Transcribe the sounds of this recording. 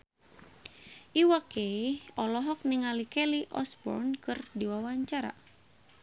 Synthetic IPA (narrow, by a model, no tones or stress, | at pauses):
ʔiwakeɔlɔɦɔk̚niŋalikɛliʔɔsbɔ̰rnkɨrdiwawaɲt͡ʃaɾa̰